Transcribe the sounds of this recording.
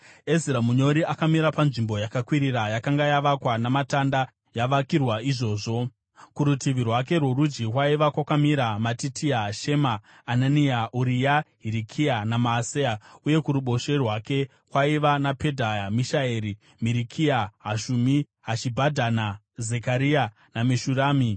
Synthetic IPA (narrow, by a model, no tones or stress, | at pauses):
eziɾamuɲo̞ɾiʔakamiɾapanʐimbo̞jakakwiɾiɾajakaŋɡajaʋakwanamatanda | jaʋakirwaiʐo̞ːʐo̞ | kuɾutiʋirwak̬e̞rwoɾud͡ʒikwaiʋakwakamiɾamatitʰiaɦaʃe̞maː | naniaʔuɾijaɦiɾikʰianamaːsejauje̞kuɾuɓo̞ʃe̞rwake̞ | kwaiʋanape̞dʱajamiʃaeɾi | miɾikʰiaɦaʃumi | ɦat͡ʃibʱadʱana | ze̞kaɾia | nameʃuɾaːmi